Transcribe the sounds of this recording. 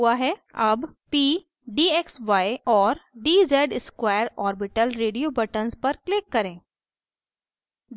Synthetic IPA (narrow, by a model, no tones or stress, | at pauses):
uaɦɛɐbpiː | ɖiːɛksʋaːeɔːɾɖiːzɛːɖɪskwaːjəɾɔːɾbɪʈəlɾeːɖijoːbɐʈənzpɐɾklɪkːɐɾẽː | d̪